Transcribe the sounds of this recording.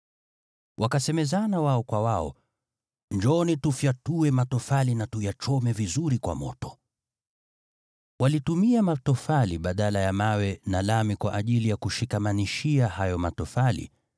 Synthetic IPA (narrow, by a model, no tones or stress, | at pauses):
wʔakasɛmɛzanawaɔkwawaɔ̰ | nd͡ʒɔnitufjatuɛmatɔfalinatujat͡ʃɔmɛvizuɾikwa̰mɔ̰tɔ̥ | walitumiamatɔfaliɓaɗalajamawɛnalamikwaʔaʄilijakuʃikamaniʃiahajɔmatɔfalḭ